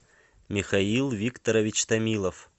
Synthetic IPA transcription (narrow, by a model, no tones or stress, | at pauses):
mʲɪxailˠvʲikt̪əɾəvʲɪt͡ɕt̪ɐmʲilˠəf